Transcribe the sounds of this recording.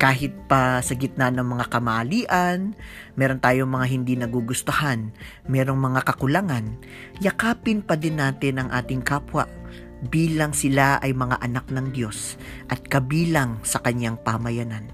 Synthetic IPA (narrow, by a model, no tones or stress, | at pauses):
kaːɦɪt̪̚pɐsɐɡɪt̪̚nanɐŋmɐŋakɐmaʔɐliːʔɐnmɛːɾo̞nt̪aːjoŋmɐŋaɦɪnd̪inɐɡuɡʊst̪ohan | mɛːɾo̞ŋmɐŋakɐkʊlaŋan | jɐkaːpɪnpɐd̪ɪnːaːt̪ɪnɐŋʔaːt̪ɪŋkaːpwɐ̰ʔ | biːlɐŋsɪlaʔɐjmɐŋa̰ʔɐnak̚nɐŋd̪jo̞s | ʔɐt̪̚kɐbiːlɐŋsɐkɐɲjaŋpamɐjɐnan